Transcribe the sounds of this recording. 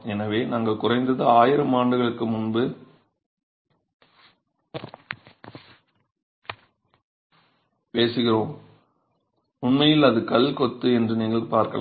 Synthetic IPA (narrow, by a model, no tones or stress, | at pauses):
ɛnɐʋeːnaːŋɡɐɭkʊrɐɪnd̪ɐðɯaːjɪɾɐmaːɳɖɯɣɐɭɯkːɯmʊnbɯ | peːsɯɣɪroːm | ʊɳmɐjɪlɐðɯkɐlkɔt̪ːɯɛndrɯniːŋɡɐɭpaːɾkɐ̰